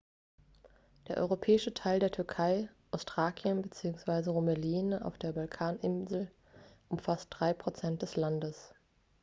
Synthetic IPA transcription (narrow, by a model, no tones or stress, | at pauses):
d̥eːɐʔɔ̰ʏʁopʰɛːɪʃətʰaɪldeːɐtʰʏɐkʰaɪʔaʊstʁ̥aːkʰjənbət͡siːʊŋsv̥aɪzəʁomɛliːna̰ʊfd̥eːɐbalkʰaːnʔɪnzl̩ | ʔʊmfast̚d̥ʁaɪpʁ̥ot͡sɛnt̚d̥ɛslandəs